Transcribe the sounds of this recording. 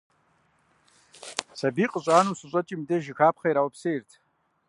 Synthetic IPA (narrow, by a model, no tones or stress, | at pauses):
sabiqʼəɕʷʼaːnusɨɕʷʼɐt͡ʃʼimdeʒɪxʰaːpʰχajɾawapʰsejrtʰ